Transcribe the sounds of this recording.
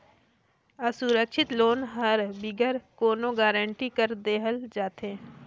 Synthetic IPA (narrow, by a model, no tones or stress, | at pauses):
əsuɾəkʃɪt̪loːnɦəɾbɪɡəɾkoːnõɡaːɾəɳʈikəɾd̪eːɦəld͡ʒaːt̪ẽː